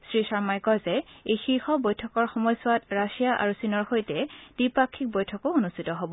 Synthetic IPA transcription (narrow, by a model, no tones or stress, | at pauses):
sɹisaɹmajkɔzɛejxixɔbojtʰɔkɔɹxɔmɔjsʊwatɹasijaʔa̰ɹusinɔɹxojtɛd̥ipakʰːik̚bojtʰɔkoonustʰitɔɦobɔ